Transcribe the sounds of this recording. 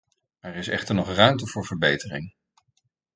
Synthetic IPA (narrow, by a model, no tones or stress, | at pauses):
ɛɹɪsɛ̰χtəɹnɔχrœɥmtəvʊːɹvəɹbejtərɪŋ